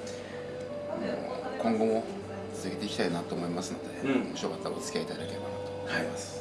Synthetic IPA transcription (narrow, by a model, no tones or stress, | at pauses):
mo̰a̰kõ̞ŋɡo̞mo̞ | t͡sɨ̥zɨɡet̪e̞ikʲi̥t̪ainat̪o̞ːmo̞imasɨno̞d̪e̞moɕo̞ːkat̪ːaot͡sɨ̥kʲiait̪ad̪akʲe̞ebanat̪oaimasɨ̥